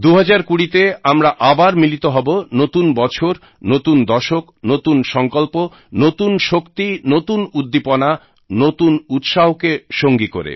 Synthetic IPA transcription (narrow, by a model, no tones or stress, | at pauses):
d̪uɦad͡ʑaɾkuɽit̪eamɾaʔabaɾmilit̪oɦɔbonot̪unbɔt͡ɕʰoɾ | not̪und̪ɔʃoknot̪unʃɔŋkolpo | not̪unʃokt̪inot̪unud̪ːipona | not̪unut̪ʃaɦokeʃoŋɡikoɾḛ